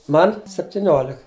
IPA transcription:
ˈmɐn sʲɛpʲtʲɪˈnʲoːlʲɪk

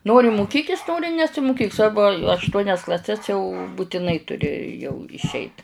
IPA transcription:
ˈnoːrʲɪ mʊˈkʲiːkʲɪs ˈnoːrʲɪ nʲɛsʲɪmʊˈkʲiːk ˈsʋɐrbʊ ɐʃˈtuɔnʲɛs klˠɐˈsʲɛs jɛʊ bʊtʲɪˈnɐɪ tʊˈrʲɪ jɛʊ ɪʃʲˈɛɪt

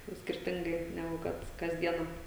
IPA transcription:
ˈnʊ sʲkʲɪrʲˈtʲɪŋɡɐɪ nʲɛˈɡʊ ˈkɐt kɐs ˈdʲiɛnɐ

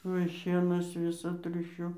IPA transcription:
ˈuɔj ˈʃʲiɛnɐs ˈʋʲɪsɐ ˈtʲrʲʊʃʲʊ

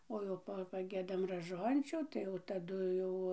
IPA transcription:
ˈoː jɛʊ ˈpɐ pɐˈɡʲiɛdɐm rɐˈʒoːnʲt͡ʃʲuː ˈtɐɪ jɛʊ tɐˈdʊ jɛʊ

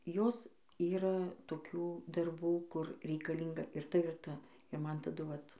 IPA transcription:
ˈjoːs ˈiːrɐ toːˈkʲuː dɐrˈbuː ˈkʊr rʲɛɪkɐlʲˈiːŋɡɐ ɪr ˈtɐ ɪr ˈtɐ ɪ ˈmɐn tɐˈdʊ ˈʋɐt

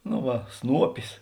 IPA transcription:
noː ˈʋɐ ˈsnuɔpʲɪs

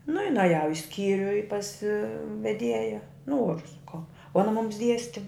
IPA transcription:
nʊ ɪ nɐˈjɛʊ ɪ ˈsʲkʲiːrʲʊ ɪ pɐs ʋʲɛˈdʲiɛjɛ ˈnoːrʊ sɐˈkɐʊ oː ɐˈnɐ mʊms ˈdʲiɛsʲtʲɪ

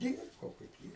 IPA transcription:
ˈdʲiːrbɐʊ kɐɪp ˈjiɛ

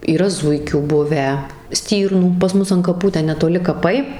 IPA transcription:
iːˈrɐ ˈzʊɪkʲuː ˈbʊʋʲæː ˈsʲtʲiːrnuː pɐs ˈmʊs ɐn kɐˈpuː ˈtʲɛn nʲɛtoːˈlʲɪ kɐˈpɐɪ

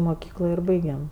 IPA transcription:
moːˈkʲiːklˠoː ɪr ˈbɐɪɡʲɛm

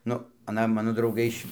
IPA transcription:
ˈnʊ ɐˈnɐ ˈmɑːnoː drɐʊˈɡɐɪ ɪʃ

